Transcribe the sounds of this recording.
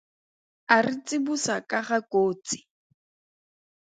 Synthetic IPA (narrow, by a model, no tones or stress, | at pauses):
arɪt͡sʼɪbusakʼaχakoːt͡si̥